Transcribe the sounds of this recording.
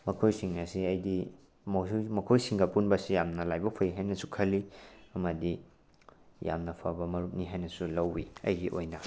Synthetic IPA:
mɐkʰojsiŋɐsiɐjdi | mɐmɐkʰojsiŋɡɐpunbɐsijamnɐlajbɐpʰɐjiɦajnɐsu̥kʰɐliɐmɐdi | ja̰mnɐpʰɐbɐmɐɾuk̚niɦajnɐsulɐwːiɐ̰jɡiʔojnɐ

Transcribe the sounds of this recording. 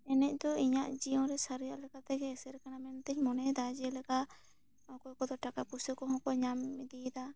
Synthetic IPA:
ɛnɛc̚ˀd̪ɔiɲaʔd͡ʒijɔ̃ɾɛsaɾijaʔlɛkat̪ɛɡɛːsɛɾɛkanamɛnat̪ɛcmɔnɛd̪ad͡ʒialɛka | hɔ̃kɔkɔd̪ɔʈakapusəkɔɦɔ̃kɔɲamid̪id̪a

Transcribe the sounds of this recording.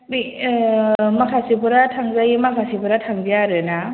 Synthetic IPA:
mi | makʰasibuɾatʰaŋzajmakʰasibuɾatʰaŋbijaɾɯna

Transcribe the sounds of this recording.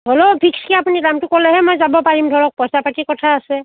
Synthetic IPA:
dʱɔlɔpʰikskɛapuninamtʊkɔlɛɦɛmɔjzabɔpaɹimdʱɔɹɔk̚pɔjsapatikɔtʰaːsɛ

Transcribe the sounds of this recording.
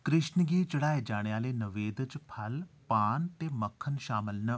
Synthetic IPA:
kɾɪʃnəɡiːt͡ʃɐɽaːed͡ʒaːɽ̃jaːlenəʋeːd̪ət͡ʃpʰɐlpaːnt̪eːmɐkʰːənʃaːməlnɐ

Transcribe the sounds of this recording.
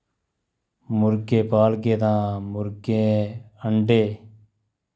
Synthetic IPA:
mʊɾkeːpaːlkeːt̪ãːmʊɾkẽːəɳɖeː

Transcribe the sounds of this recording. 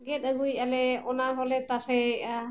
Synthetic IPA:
ɡɛt̪̚aɡujalɛɔnaɦɔlɛt̪asɛ

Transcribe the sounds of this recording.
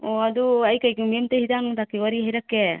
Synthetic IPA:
ɔad̪uajkajkɯmimt̪eɦid̪aŋt̪akiwaɾiɦejɾakːe

